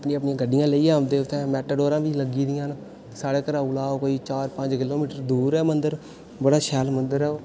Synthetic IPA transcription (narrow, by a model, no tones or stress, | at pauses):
pniːaːpnɪãːɡəɖɪjãːləiːãːmd̪eːʊt̪ʰːẽːmɛːʈəoːɾãːbiːləɡiːd̪ɪjãːn | saːɽeːkəɾaːulaːokoːiːt͡ʃaːɾpə̃ɲd͡ʒkɪloːmiːʈəɾd̪uːɾɛːmənd̪əɾ | bəɽaːʃɛːlmənd̪əɾɛː